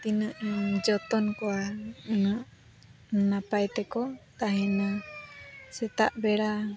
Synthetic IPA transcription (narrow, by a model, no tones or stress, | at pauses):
t̪inəʔd͡ʒɔt̪ɔnkɔwanəʔ | napajt̪ɛkɔt̪aɦɛna | sɛt̪aʔbɛɽa